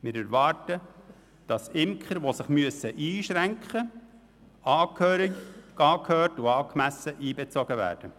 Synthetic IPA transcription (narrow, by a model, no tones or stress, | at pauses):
mɪːɾæɾʋɑːɾtə | d̥ɑsɪmkχəɾʋosɪχmyəsəʔiːʃɾæŋkχə | ɑːkʰhøːɾiɡkɑːkʰhøːtuɑːkmæsəʔiːbɛt͡sɔɡəvæ̰ːɾd̥ə